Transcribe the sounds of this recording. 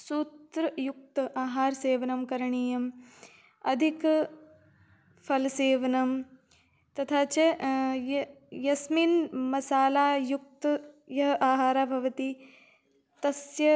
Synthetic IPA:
suːt̪ɾɐjuk̚t̪ɐʔaːɦaːɾseːʋɐnɐmkɐɾɐɳiːjɐm | ɐd̪ʱik | pʰɐlseːʋɐnɐm | t̪ɐt̪ʰaːt͡ʃɐjɐ | jɐsminmɐsaːlaːjuk̚t̪jɐɦɐʔaːɦaːɾaːbʱɐʋɐt̪i | t̪ɐsjɐ

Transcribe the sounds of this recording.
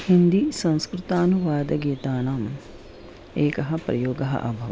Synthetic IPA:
hind̪isɐ̃nskɾɪt̪aːnuʋaːd̪ɐɡeːt̪aːnaːm | eːkɐɦɐ̆pɾɐ̰joːɡɐɦɐ̰ʔɐ̰bʱɐʋɐ

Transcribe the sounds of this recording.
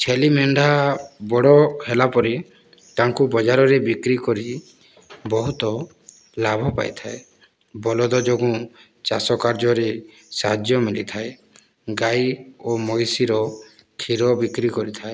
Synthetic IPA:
t͡ʃʰelimeɳɖʱabɔɽɔhelapɔɾi | t̪aŋkubɔd͡ʒaɾɔɾebikɾikɔɾi | bɔɦut̪ɔ | labʱɔpa̰jt̪ʰae | bɔlɔd̪ɔd͡ʒoɡũ | t͡ʃasɔkaɾd͡ʒɔɾe | saɦad͡ʒjɔmilit̪ʰae | ɡajomɔjsiɾɔ | kʰiɾɔbikɾikɔɾit̪ʰae

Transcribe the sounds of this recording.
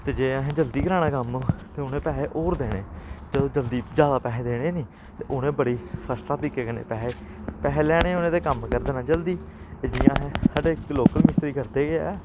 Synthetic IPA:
t̪eːd͡ʒeːəɦẽːd͡ʒəld̪iːɡəɾaːɽ̃ãːkəmt̪eːʊnẽːpɛːeʔoːɾd̪eːɽ̃ḛ̃ːd͡ʒəd̪õːd͡ʒəld̪iːd͡ʒjaːd̪aːpɛːɦẽːd̪eːɽ̃ẽːniː | t̪eːʔʊnẽːbəɽiːpʰəslaːt̪ɪkeːkənḛ̃ːpɛːeː | pɛːɦelɛːɽ̃eːʊnẽːt̪eːkəmkəɾd̪eːnãːd͡ʒəld̪iː | ed͡ʒijãːɦẽːsaːɖeːloːkəlmɪst̪ɾiːkəɾd̪eːɡeɛː

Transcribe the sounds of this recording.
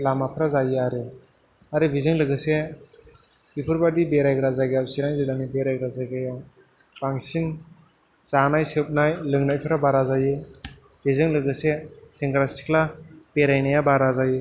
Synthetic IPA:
lamapʰɯɾazajeaɾɯ | aɾɯbizɯŋlɯɡɯse | bipʰɯɾbadibeɾajɡɾazaɡajawsiɾaŋzilanibeɾajɡɾazaɡajaw | b̥aŋsin | zanajsɯp̚najlɯŋnajpʰɯɾabaɾazajɯ | bizɯŋlɯɡɯseseŋɡɾasi̥klab̥eɾajnajabaɾazajɯ

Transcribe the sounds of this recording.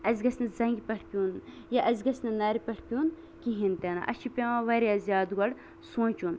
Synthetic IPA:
ɐzʲɡɐsnɐzɐŋɡʲipɐʈʰpʲijuːn | jɐʔɐzʲɡɐsnɐnɐːɾipɐʈʰpʲijuːn | kiɦint̪enɐ̰ʔɐ̰t͡ʃʰipʲɐʋɐ̃ʋɐɾiɐzʲjaːd̪ɡɐɽ | sõːt͡ʃuːn

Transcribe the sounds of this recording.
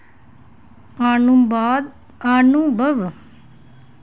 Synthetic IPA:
aːnumbaːd̪ | aːnubʱɐʋ

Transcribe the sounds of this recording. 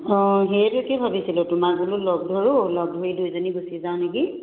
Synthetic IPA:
ɔ̃ɦeɛtʊkɛbʱabisilʊtʊmaɡɔlʊlɔɡ̚dʱɔɹʊlɔb̚dʱoɹidujzonibusizaw̃nek̬i

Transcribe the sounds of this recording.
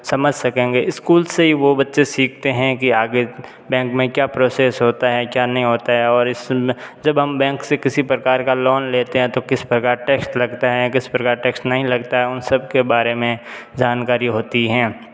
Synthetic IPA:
sɐməd͡ʒʱsɐkẽːŋɡeɪskuːlzeɦiʋobɐtːʃesiːkʰt̪eɦɛ̃kiaːɡe | bɛ̃ːŋkmẽkjaːpɾoːseːsɦoːt̪aɦɛkjaːnɐɦĩɦoːt̪aɦɛɔːɾɪsd͡ʒɐbɦɐmbɛ̃ːŋksekɪsipɾɐkaːɾkalɔːnleːt̪eɦɛ̃t̪okɪspɾɐkaːɾʈeːksʈlɐɡt̪aɦɛkɪspɾɐkaːɾʈɛːksʈnɐɦĩlɐɡt̪aɦɛʊnsɐb̚kebaːɾemẽd͡ʒaːnkaːɾiɦoːt̪iɦɛ̃ː

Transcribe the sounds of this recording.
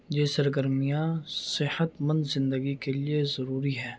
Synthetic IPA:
jeːsɐɾɡəɾmijasɪhət̪mə̃nd̪zɪ̃nd̪əɡikeliezɐɾuːɾiɦɛː

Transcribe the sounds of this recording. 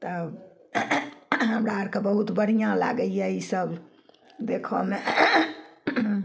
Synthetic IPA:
t̪əb | ɦəmɾaaɾkebəɦut̪bəɽ̤ijãla̰ɡəljɛisəb | d̪ekʰɔ̰me

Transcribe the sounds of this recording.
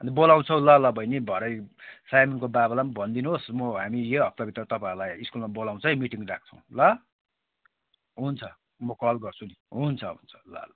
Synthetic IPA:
ʌnd̪ebolaw̃t͡sʰʌw̃lʌlʌbʱʌjnebʱʌɾʌjsajminkobabʌlambʱʌnd̪inosmʌɦamijeʌp̚t̪ʌbit̪rʌt̪ʌpãɾlajiskulmabolaw̃t͡sʰʌjmiʈiŋrak̚ʰt͡sʰʌw̃lʌ | ɦunt͡sʰʌ | mʌkʌlɡʌrt͡sʰuniɦunt͡sʰʌɦṵnt͡sʰʌ̥la̰lʌ

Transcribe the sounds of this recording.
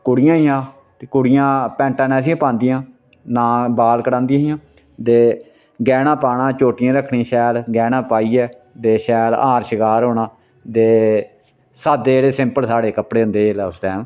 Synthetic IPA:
kʊɽɪjãːɪjãː | t̪eːkʊɽɪjãːpɛ̃ːɳʈãːnɛːsɪjãːpãːnd̪ɪjãː | nãːbaːlkəɽãːnd̪ijãːɦɪjãː | t̪eː | ɡɛːnãːpaːɽaːt͡ʃoːʈɪjãːɾəkʰːɳĩːʃɛːlɡɛːnãːpaːiːɛː | t̪eːʃɛːlaːɾʃɪkaːɾɦoːɳaː | d̪eː | saːd̪eːɽeːsɪ̃mpəlsaːɽeːkəpɽeːɦʊ̃nd̪eːlɛːʊsd̪ɛːn

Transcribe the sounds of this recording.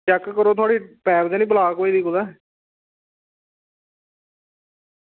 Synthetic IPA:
t͡ʃɛkkəɾoːt̪ʰʊaːɽiːpɛːbd̪eːnĩːbəlaːkoːiːd̪iːkʊd̪ɛː

